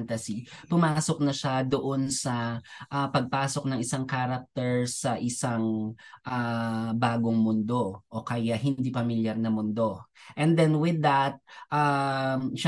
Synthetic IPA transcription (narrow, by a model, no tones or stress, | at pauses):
nt̪ɐsipʊmaːsok̚nɐʃad̪oʔonsɐʔapɐɡ̚paːsok̚nɐŋɪsaŋkaːɾɐk̚t̪ɛɹsɐʔɪsaŋʔabaːɡoŋmʊnd̪o̞ʔokɐjaɦɪnd̪ipɐmɪljaɾnɐmʊnd̪o̞ʔɛ̃nd̪ɛnwɪðɐt̪̚ʔa | ʃ